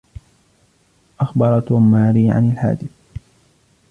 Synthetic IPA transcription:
ʔaxbɑɾˤɑt̪amːaːɾiːʕa̰nalħa̰ːd̪ɪθ

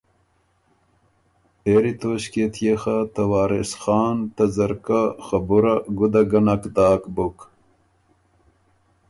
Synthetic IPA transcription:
eɾit̪oːɕket̪ʰjexat̪ɐwaːɾesxɑːnt̪ɐzɐɾkaxɐbuɾɐɡud̪ɐɡɐnɐkd̪aːkbuk

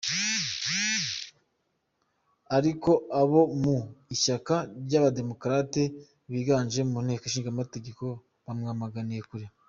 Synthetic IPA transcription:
aɾiko̞aβo̞muiʃakaɾɟaβade̞mo̞kɾate̞ | βiːɡaːnʒe̞mun̥e̞ːkoʃ̬iːŋɡamate̞ɡe̞ko̞ | βamŋamaɡanije̞kuɾi

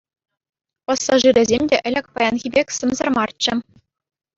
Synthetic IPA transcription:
pɑsːɑʐɯɾʲɘ̆zʲemʲdʲeʔɘ̆lʲɘ̆kʲpɑjɑnɣʲibʲekʲsɤ̆mzɤ̆rmɑrt͡ɕːɘ̆

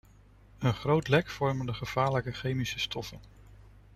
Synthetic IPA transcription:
ənχrowtlɛkfɔɹməndəχəv̥aːɹləkəχejmisəstʰɔfən

